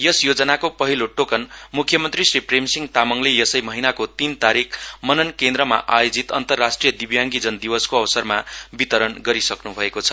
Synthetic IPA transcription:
jʌsjod͡zʌnakopʌɦiloʈokʌnmukʰjʌmʌnt̪risripʰremsiŋɡt̪amʌŋlejʌsʌjmʌɦinakot̪int̪aɾikʰmʌnʌnkẽnd̪ɾʌma̰ʔajod͡zit̪ʌ̰nt̪ʌrːasʈrijʌd̪ibjaŋɡid͡zʌnd̪ibʌskoʌwʌsʌrmabit̪ʌɾʌnɡʌɾisʌknubʱʌekot͡sʰʌ̥

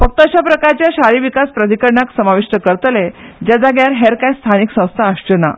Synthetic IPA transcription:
fək̚t̪əəɕapɾəkaɾt͡ɕjaɕaɾiʋikaspɾəd̪ikəɾɳaksəmaʋiʂʈəkəɾt̪led͡ʑad͡zaɡjaɾɦeɾkajst̪ʰaniksə̃w̃st̪ʰaːʂt͡ɕəna̰

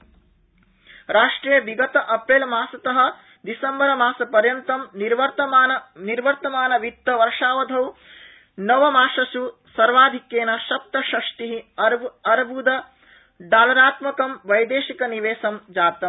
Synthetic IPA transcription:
ɾaːʂʈɾeːjɐʋiɡɐt̪ɐʔɐpɾeːlmaːsɐt̪ɐɦɐ̆ | d̪isɐmbɐɾɐmaːsɐpɐɾjɐnt̪ɐmniɾʋɐɾt̪ɐmaːnɐniɾʋɐɾt̪ɐmaːnɐʋik̚t̪ːɐʋɐɾʂaːʋɐd̪ʱɐw | nɐʋɐmaːʂɐʃusɐɾʋaːd̪ʱikjeːnaʃɐp̚t̪ːɐʃɐʂʈ̪iɦiɐɾɐɾbʱud̪ɐ | ɖaːlɐɾaːt̪mɐkɐmʋɐjd̪eːʃikɐniʋeːsɐmd͡ʒaːt̪ɐm

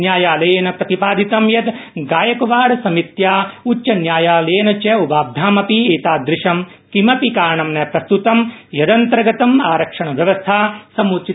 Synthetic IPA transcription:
njaːjaːlɐjɐnɐpɾɐt̪ipaːd̪ʱit̪ɐmjɐt̪ɡaːjɐkɐʋaːɽɐsɐmit̪jaːut͡ʃːt͡ʃɐnjaːjaːleːnɐt͡ʃɐubaːb̚d̪ʱaːmɐpieːt̪aːd̪ɾɪʂɐmkimɐpikaːɾɐɳɐmnɐpɾɐst̪ut̪ɐmjɐd̪ɐnt̪ɾɐɡɐt̪ɐmaːɾɐkʂɐɳɐʋjɐʋɐst̪ʰaːsɐmuːt͡ʃi

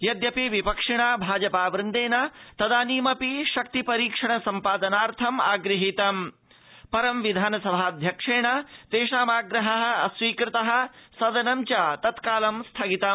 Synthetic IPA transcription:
jɐd̪jɐpiʋipɐkʂiɳaːbʱaːd͡ʒɐpaːʋɾɪnd̪eːnɐt̪ɐd̪aːniːmɐpiʃɐk̚t̪ipɐɾiːkʂɐɳɐsɐmpaːd̪ɐnaːɾt̪ʰɐma̰ːɡɾɨɦit̪ɐm | pɐɾɐmʋid̪ʱaːnɐsɐbʱaːɐd̪ʱjɐkʂeːɳɐt̪eːʂaːmaːɡɾɐɦɐɦɐ̆ɐsʋiːkɾɪt̪ɐɦɐ̆sɐd̪ɐnɐmt͡ʃat̪ɐt̪kaːlɐmst̪ʰɐɡit̪ɐ

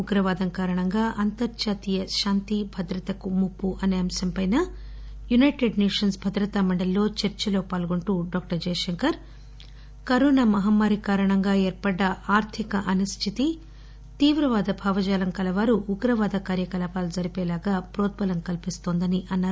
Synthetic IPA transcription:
uɡɾɐʋaːd̪ɐŋkaːɾɐɳɐŋɡaːʔɐnt̪ɐɾt͡ʃaːt̪ijɐʃaːnt̪ibʱɐd̪ɾɐt̪ɐkumupːuʔɐneːɐmsɐmpɐjnɐ | junɐjʈeɖneːʂɐnsbʱɐd̪ɾɐt̪aːmɐɳɖɐlːo̞ːt͡ʃɐɾt͡ʃɐlo̞ːpaːlɡoɳʈuɖoːk̚ʈɐɾd͡ʒɛːjɐʃɐŋkɐɾ | kɐɾoːnɐmɐɦɐmːaːɾikaːɾɐɳɐŋɡaːeːɾpɐɖːɐaːɾt̪ʰikɐʔɐnɐst̪ʰit̪i | t̪iːʋɾɐʋaːd̪ɐbʱaːʋɐd͡ʒaːlɐŋkɐlɐʋaːɾuʔːɡɾɐʋaːd̪ɐkaːɾjɐkɐlaːpaːlud͡ʒɐɾipɛːlaːɡaːpɾoːt̪̚pɐlɐmkɐlpist̪oːnd̪ɐniʔɐnːaːɾ

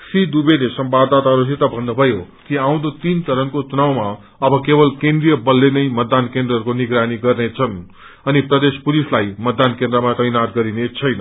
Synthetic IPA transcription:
sid̪ubelesʌmbabd̪at̪aɾusʰet̪ʌbʱʌnːubʱʌjo | kiaw̃d̪ot̪int͡sʌɾʌnkot͡sunawma | ʌbʌkebʌlkend̪rijʌbʌlːenʌjmʌd̪ːankend̪rʌɦːɾukoniɡɾaniɡʌrnet͡sʰʌn | ʌniprʌd̪espulislajmʌd̪ːankẽnd̪ɾʌmat̪ʌjnat̪ɡʌɾinet͡sʰʌjnʌ

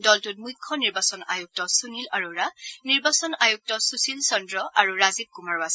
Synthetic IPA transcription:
dɔltut̚mujkʰːɔniɹbasɔnajuk̚tɔsunilaɹuɹaniɹbasɔnajuk̚tɔsusilsɔndɹɔʔaɹuɹazib̚kumaɹas

